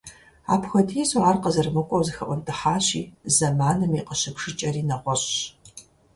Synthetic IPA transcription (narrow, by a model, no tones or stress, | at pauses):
a̰ːpxʷɐtʰijɛsʼʊaːrqɐzɐrmɨkʷʼɔwzɨxɐʔʷɔntʰʼɨħaːɕḭːzɐmaːnɨmiːqəɕɨpʂɨt͡ʃʼɐriːnɐʁʷɔɕɕ